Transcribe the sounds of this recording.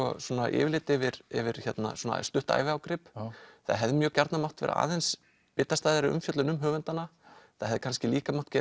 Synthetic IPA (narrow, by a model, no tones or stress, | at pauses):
ɔswɔːnaʔɪ̰ːvɪlɪːt̪ɛvɪɾɛ̰vɪɾ̥çjɛt̪na̰suːna̰st̪ʏht̪a̰ːjvɪawkɾɪpθa̰ðɦɛvðɪmjœːcaɾt̪namaw̥t̪vɛ̰ɾa̰ʔa̰ːðɛns | pɪt̪ːast̪aːjðaɾɪʏ̰mfjœt̪lʏnʏmɦœːvʏnt̪anːaθa̰ðhɛvðɪkʰanscɪliːkamawht̪cɛ